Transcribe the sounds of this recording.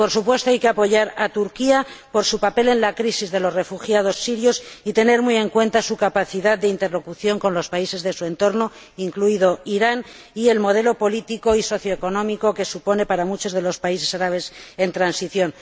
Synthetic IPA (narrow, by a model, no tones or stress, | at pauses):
po̞ɾsupwe̞st̪oajke̞apo̞ʝaɾat̪uɾkiapo̞ɾsupape̞le̞nlakɾisizðe̞lo̞zre̞fuxjað̞o̞sːiɾjo̞sit̪e̞ne̞ɾmuje̞ŋkwẽ̞nt̪asukapaθiðaðd̪eint̪e̞ɾlo̞kuθjo̞ŋko̞nlo̞spaise̞zðe̞sue̞nt̪o̞ɾno̞ | iŋkluiðo̞iɾan | ie̞lmo̞ð̞e̞lo̞po̞lit̪iko̞iso̞θjo̞eko̞nõ̞miko̞ke̞supo̞ne̞paɾamut͡ʃo̞zð̞e̞lo̞spaise̞saɾaβ̞e̞se̞nt̪ɾansiθjo̞n